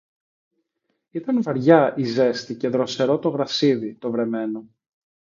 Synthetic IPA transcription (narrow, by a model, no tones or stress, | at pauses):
it̪ɐnvɐɾʝɐʔize̞st̪ice̞ðɾo̞se̞ɾo̞t̪o̞ɣɾɐsiðit̪o̞vɾe̞me̞no̞